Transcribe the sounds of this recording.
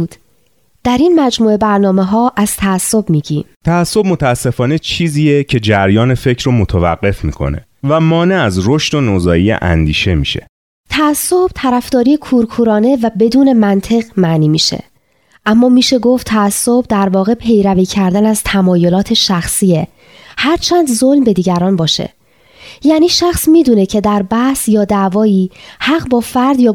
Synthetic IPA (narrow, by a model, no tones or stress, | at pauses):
d̪̥ | d̪̥æɾiːnmæd͡ʒmuːe̞bæɾnɒːme̞ɦɒːʔæz̥t̪ʰæːsːo̞bmiːɟiːmt̪ʰæːsːo̞b̚mot̪ʰææsːe̞fɒːne̞t͡ʃʰiːziːjecʰe̞d͡ʒæɾjɒːne̞fe̞cʰɾomot̪ʰevæ̰ɢːe̞fmḭːkʰo̞̰ne̞̰ | væmɒːneæzɾoʃt̪o̞nozɒːjijḛʔæ̰nd̪iːʃe̞miːʃe̞̰ | t̪ʰæːsːo̞b̥t̪ʰæɾæfd̪̥ɒːɾiːekʰuɾkʰuːɾɒːne̞væbe̞d̪uːne̞mænt̪ʰe̞ɣmæniːmiːʃḛ | ʔæmːɒːmiːʃe̞ɡoft̪ʰæːsːobd̪æɾvɒːɣe̞pʰe̞jɾæviːcʰæɾd̪ænæzt̪ʰæmɒːjo̞lɒːt̪ʰe̞ʃæxsiːe̞ | hæɾt͡ʃʰænd̪zo̞lmbe̞d̪iːɟæɾɒːnbɒːʃḛ | jæːniːʃæxsmiːd̪uːne̞cʰe̞d̪æɾbæhsjɒːd̪ævɒːiːhæɣbɒːfæɾd̪jɒː